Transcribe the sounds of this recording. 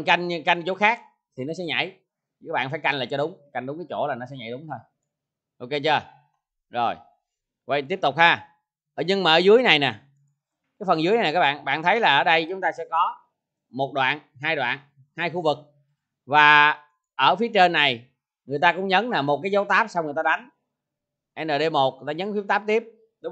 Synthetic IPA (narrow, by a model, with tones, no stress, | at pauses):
nka˧jŋ̟˧ka˧jŋt͡ɕo˨˦xaː˦˥k̚ | t̪ʰi˨˩nɔ˨˦sɛ̰˧˥˦ɲa̰˧˩j | aː˦˥ɓa̰ː˧˨nfaː˧˩˦jka˧jŋ̟laː˨˩t͡ɕɔ˧ɗʊ˨˦ŋ͡mka˧jŋ̟ɗʊ˨˦ŋ͡mkaː˨˦jt͡ɕo̰˧˩laː˨˩nɔ˨˦sɛ̰˧˦ɲa̰˧˩˨jɗʊ˨˦ŋ͡mt̪ʰo˧j | ʔo˧ke˧t͡ɕəː˧˩ | zo˨˩j | və̰˧˩jt̪i˦˥əp̚t̪ʊ˨˩k͡p̚haː˧˩˧ | ɲɨ˧ŋmaː˨˩ʔːzɨ˨˦əjna˨˩jnɛ˨˩ | kaː˨˦jfə˨˩nzɨ˨˦ja˨a˨˩kaː˦˥ɓ̰ːnɓa̰ː˧˨nt̪ʰə˨˦jlaː˨˩ʔəː˧˩ɗə˧jt͡ɕʊ˨˦ŋ͡mt̪aː˧sɛ̰˧˥kɔ˨˦ | mo˨˩t̚ɗwa̰ː˧˨n | ɦaː˧jɗwa̰ː˧˨n | haː˧jxu˧vɨ˨˩k̚ | vaː˨˩ | ʔəː˧˩fi˨˦ət͡ɕe˧nːa˨˩j | ŋɨ˨˩əjt̪aː˧kʊ̰˧˥ŋ͡mɲə˨˦nnaː˨˩mo˨˩t̚kaː˨˦jzə˨˦wt̪aː˦˥p̚sa˧wŋɨ˨˩jt̪aː˧ɗa˨˦jŋ | ʔɛ˧nɗəː˨˩ɗe˧mo˨˩t̚t̪aː˧˩ɲə˨˦nfi˦˥t̪aː˦˥p̚t̪i˦˥əp̚ | ɗʊ˨˦